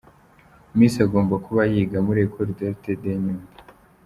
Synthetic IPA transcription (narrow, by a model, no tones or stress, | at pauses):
umiːsiaɡo̞ːmbakuβajiɡamuɾekʰoɾideɾtedeɲuːmba